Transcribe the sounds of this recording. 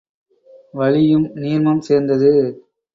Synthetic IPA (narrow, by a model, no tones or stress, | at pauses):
ʋɐɭɪjɯmniːɾmɐmseːɾnd̪ɐðɯ